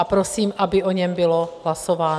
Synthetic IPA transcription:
apɾo̞siːmʔabɪʔo̞ɲɛmbɪlo̞ɦlaso̞vaː

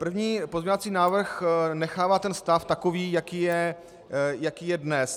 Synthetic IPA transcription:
pr̩vɲiːpozɲovat͡siːnaːvr̩xnɛxaːvaːt̪ɛnst̪aft̪akoviːjakiːjɛ | jakiːjɛdnɛs

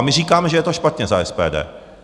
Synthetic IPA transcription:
mɪriːkaːmɛʒɛjɛt̪oʃpat̪ɲɛzaɛspɛ̰ːdɛ̰ː

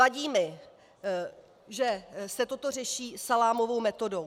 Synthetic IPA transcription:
aɟiːmɪ | ʒɛsɛt̪o̞t̪o̞r̝ɛʃiːsalaːmo̞vo̞wmɛt̪o̞dow

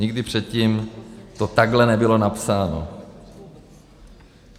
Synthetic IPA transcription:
ɲɪɡdɪpr̝̥ɛt̪̚ciːmt̪o̞t̪aɡɦlɛnɛbɪlo̞napsaːno̰

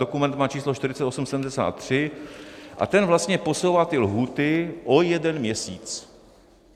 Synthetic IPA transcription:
okumɛnt̪maːt͡ʃiːsloʃt̪ɪɾɪt͡sɛt̪o̞sumsɛdm̩dɛsa̰ːt̪ːr̝̥ɪ | ʔa̰t̪ɛnvlast̪ɲɛpo̞sowvat̪ɪlɦuːt̪ɪʔo̞jɛdɛnmɲɛsiːt͡s

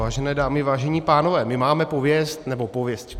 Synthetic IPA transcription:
aːʒɛnɛːdaːmɪvaːʒɛɲiːpaːnovɛːmɪmaːmɛpovjɛst̪nɛbo̞povjɛsc

